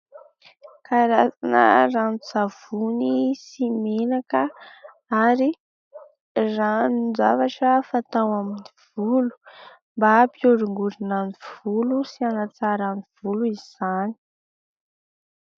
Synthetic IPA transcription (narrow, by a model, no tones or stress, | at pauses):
kaɾasanə̰ranit͡sav̥unisimenakə | aɾi | ranid͡zavaʈ͡ʂəfat̪awaminiv̥ulu̥ | mbapioɾiŋɡuɾinaniv̥ulusianat͡saɾaniv̥uluiz̥ani̥